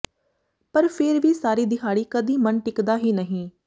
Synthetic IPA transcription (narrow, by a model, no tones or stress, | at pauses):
pəɾpʰeːɾʋiːsaːɾiːd̪ɪkʰaːɽiːkəd̪iːmənʈɪkd̪aːɦiːnəɦĩː